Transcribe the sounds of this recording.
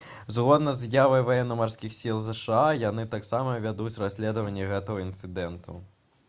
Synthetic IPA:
zɣɔd̪nɐzjavɐjvajɛnːɐmarsʲkʲixsʲilˠzɛʂɨajan̪ɨt̪aksamɐvʲad̪ut͡sʲrasʲlʲɛd̪ɐvɐnʲːɛɣɛt̪ɐɣɐint̪sɨd̪ɛnt̪ʰṵ

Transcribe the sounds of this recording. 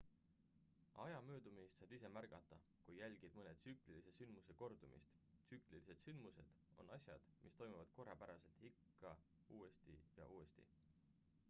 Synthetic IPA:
ɑjɑmøːd̪umist̪sɑjb̥ise̞mærɡ̥ɑt̪ːˑɑ | kujːælʲɡ̥id̪̥mɤne̞t̪syklilise̞synmuse̞ko̞rd̪̥umḭst̪syklilise̞d̪synd̪muse̞d̪̥ | o̞̰nɑsʲjɑ̰d̪̥mʔist̪o̞jmuvɑd̪̥̚ko̞rːɑpæɾɑse̞lt̪hikːɑ | uːe̞st̪ijɑ̰ʔuːest̪ḭ

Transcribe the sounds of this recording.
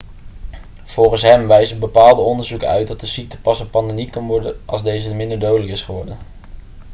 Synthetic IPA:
v̥ɔlˠχənsɦɛmʋɛjzəbəpaːlˠdəɔndəɹzukəœ̰ɥt̚dɑt̚dəsik̚tə̥pɑsɔpːɑndemikɑnʋɔɹdənʔɑlˠzdejzəəmɪndəɹdowdələkɪsχəʋɔɹdən

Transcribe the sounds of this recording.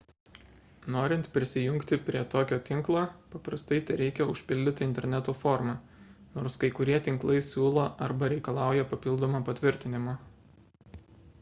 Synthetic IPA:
noːɾʲɪnt̪pʲɾʲɪsʲɪjʊŋʲkt̪ʲɪpʲɾʲiɛt̪oːkʲoːt̪ʲɪŋklˠoːpɐpɾɐst̪ɐɪt̪ʲɛɾʲɛɪkʲɛʊʃʲpʲɪlʲd̪ʲɪt̪ʲɪɪnʲt̪ʲɛɾʲnʲæt̪oːfɔːɾmɑ | noːɾskɐɪkʊɾʲiɛt̪ʲɪŋklˠɐɪsʲuːlˠoːʔɐɾbɐɾʲɛɪkɐlˠɑˑʊjɛpɐpʲɪlˠd̪oːmɑpɐt̪ʲʋʲɪɾʲt̪ʲɪnʲɪmoː

